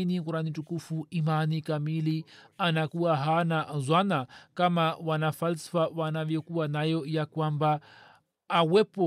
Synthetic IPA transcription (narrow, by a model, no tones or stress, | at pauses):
inikuɾanitukufuimanikamilianakuaɦanazwanakamawanafalsi̥fawanavjɔkuwanajɔjakwambaː | wɛpɔ